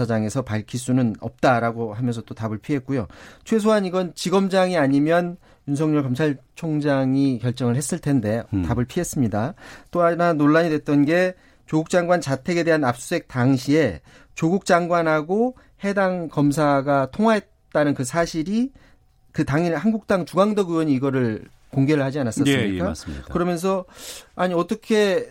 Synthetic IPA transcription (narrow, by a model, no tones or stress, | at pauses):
ad͡ʑaŋe̞sʰʌpaɭkʰis͈unɯnʌp̚t͈aɾaɡoɦamjʌnsʰʌt͈otabɯɭpʰiɦe̞t̚k͈ujot͡ɕʰwe̞s̬ʰoɦaniɡʌnt͡ɕiɡʌmd͡ʑaŋiaɲimjʌn | junsʰʌŋɲuɭkʌmt͡ɕʰaɭt͡ɕʰoŋd͡ʑaŋikjʌɭt͡ɕ͈ʌŋɯɭhe̞s͈ɯɭtʰe̞nde̞tabɯɭpʰiɦe̞s͈ɯmɲidat͈oananoɭːaɲidwe̞t̚t͈ʌnɡe̞ | t͡ɕoɡuk̚t͡ɕ͈aŋɡwant͡ɕatʰe̞ɡe̞de̞ɦanap̚s͈uɦe̞k̚t͈aŋɕʰie̞ | t͡ɕoɡuk̚t͡ɕ͈aŋɡwanɦaɡo | he̞daŋkʌmsʰaɡatʰoŋɦwaɦe̞t̚t͈anɯnkɯsʰaɕʰiɾi | kɯtaŋihanɡuk̚t͈aŋt͡ɕuɡaŋdʌɡuwʌɲiːɡʌɾɯɭ | koŋɡe̞ɾɯɭhad͡ʑianas͈ʌɯmik͈akɯɾʌmjʌns̬ʰʌaɲiʌt͈ʌkʰe̞